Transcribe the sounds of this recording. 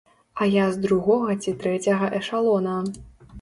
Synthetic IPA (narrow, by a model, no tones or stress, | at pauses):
ɐjazd̪ɾuɣɔɣɐt͡sʲit̪ɾɛt͡sʲɐɣɐʔɛʂalˠɔnɐ